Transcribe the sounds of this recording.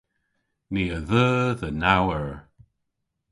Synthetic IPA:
miːəðəːðənawəɹ

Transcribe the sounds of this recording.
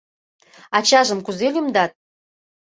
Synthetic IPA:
ɑt͡ɕɑʒəmkuzelʲymd̪ɑt̪̚

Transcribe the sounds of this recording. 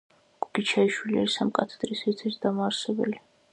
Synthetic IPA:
ɡ̥uɡ̥it͡ʃʰaiʃwilia̰ɾisamkʼat̪ʰɛ̥d̪̥ɾisɛɾt̪ʰɛɾt̪ʰd̪amaːɾsɛbɛ̰li

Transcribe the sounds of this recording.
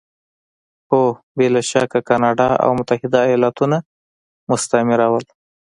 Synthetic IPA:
xo | belaʃɑkakɑnɑɖɑa̰wmʊt̪ahɪd̪aːjɑlɑt̪una | mʊst̪amɪɾawəl

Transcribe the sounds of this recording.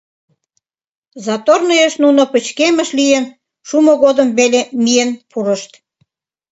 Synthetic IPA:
zɑt̪ornəjeʃnunopə̆t͡ɕkemə̆ʃlijen | ʃumoɣod̪əmβelemijenpʰuɾə̆ʃt̪

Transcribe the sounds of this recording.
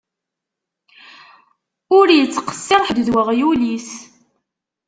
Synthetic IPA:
ʊɾjət͡sːqə̥sːɪɾˤħd̪ðwəʁjulis

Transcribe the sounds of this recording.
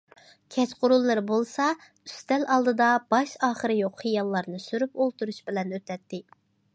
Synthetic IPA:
kʲʰɛt͡ʃqʰʊɾulˠːɨɾɨbolˠsɑ | yst̪ɛlʔɑlˠd̪ɨd̪ɑb̥ɑʃɑːχəɾɨjoqχijɑlˠːɑɾnɨsyɾypolˠt̪uɾuʃbɪlɛnøt̪ʰɛt̪ːɪ

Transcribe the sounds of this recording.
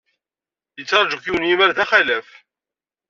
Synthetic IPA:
jət͡sːɑɾˤʒukiwnjimæɾðæχælæf

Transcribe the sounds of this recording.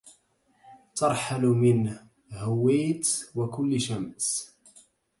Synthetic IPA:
t̪ɑɾˤħalmɪn | hʊwːeːt̪wakʊlːʃams

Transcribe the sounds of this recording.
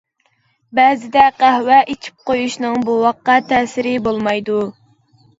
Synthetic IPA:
bɛzɪd̪ɛqæhwɛʔit͡ʃʰi̥p̚qojuʃnɨŋbuwɑqːɑt̪ʰɛːsɪɾɪbolˠmɑjd̪u

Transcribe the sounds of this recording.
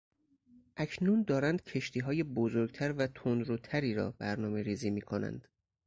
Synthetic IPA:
ʔæcʰnund̪ɒːɾænd̪̥cʰe̞ʃt̪ʰiːɦɒːje̞bozoɾɡ̚t̪ʰæɾvæt̪ʰond̪ɾut̪ʰæɾiːɾɒ̰ːbæɾnɒːme̞ɾiːziːmiːkʰonæ̰nd̪̥

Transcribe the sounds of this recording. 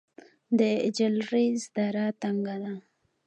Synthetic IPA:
d̪əɪd͡ʒalɾizd̪aɾat̪aŋɡad̪a

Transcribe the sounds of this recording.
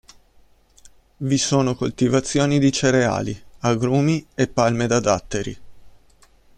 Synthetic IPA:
visoːnokolt̪ivat̪sːjoːnid̪it͡ʃeɾea̰ːliaɡɾuːmiepːalmed̪ad̪at̪ːeɾi

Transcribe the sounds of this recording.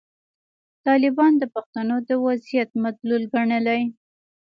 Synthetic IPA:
t̪ɑlɪbɑnd̪əpaxt̪anod̪əwazijat̪̚mat̪lulɡaɳəlaj

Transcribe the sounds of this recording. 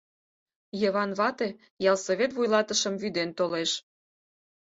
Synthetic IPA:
jəβɑnβɑt̪e̽ | jɑlsoβʲet̪βujlɑt̪əʃə̆mvyd̪ent̪oleʃ

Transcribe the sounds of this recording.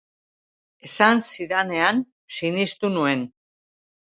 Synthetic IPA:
e̞sansiðane̞an | sinist̪unue̞n

